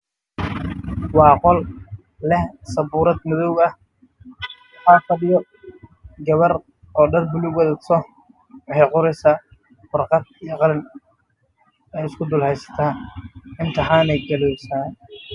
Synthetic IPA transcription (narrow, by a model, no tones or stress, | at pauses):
wɑːqɔl | lɛhsɐbʊːɾɐd̪mɪðɔwɐh | ħɑːkɐɗɪjɔ | ɡɐβɐr | ɔːɖɐrbʊlʊɡwɐðɐt̪sɔ | ħɛqʊɾɛsaː | fɐrqɑd̪̚ijɞqɑlɪn | ɛjɪskʰʊd̪ʊlhɛjsɐ̥t̪ʰaːɪnt̪ʰɐħaːnɛjɡɐlɔwsaːn